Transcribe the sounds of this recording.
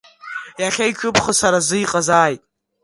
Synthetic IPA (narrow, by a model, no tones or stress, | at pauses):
jaχʲajkʷʰʊpʰχəsaɾazɨjqʼazaːjtʼ